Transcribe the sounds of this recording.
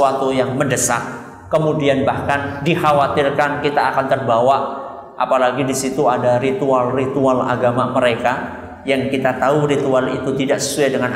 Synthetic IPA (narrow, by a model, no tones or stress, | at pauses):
uat̪ujaŋməndəsa̰ʔ̚ | kəmudianbahkandihawat̪ɪrkankit̪aːkant̪ərbawa | ʔa̰palaɡidisit̪uadarit̪ualrit̪uala̰ɡamaməɾeka | jaŋkit̪at̪auɾit̪ualḭt̪ut̪idaʔsə̥suajdəŋan